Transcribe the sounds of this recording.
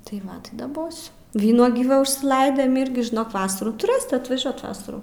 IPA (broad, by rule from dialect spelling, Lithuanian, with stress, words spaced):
tɐɪ ˈʋɐt tɐɪ dɐˈboːsʲʊ ˈʋʲiːnuɔɡʲiː ˈʋɐ ʊʃʲsʲɪˈlˠɐɪdʲeːm ˈɪrʲɡʲɪ ʒʲɪˈnoːk ˈʋɑːsɐruː tʊˈrɘsʲɪt ɐtʋɐˈʒʲuɔt ˈʋɑːsɐruː